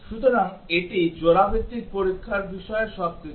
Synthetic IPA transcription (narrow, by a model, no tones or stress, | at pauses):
ʃut̪oɾaŋeʈid͡ʑoɾabet̪ːik̚poɾikʰːaɾbiʃɔeʃɔb̚ki